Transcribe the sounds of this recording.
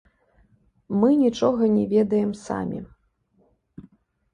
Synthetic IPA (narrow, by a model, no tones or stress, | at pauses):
mɨnʲit͡ʂɔɣɐnʲɛvʲɛd̪ɐjɛmsa̰mʲḭ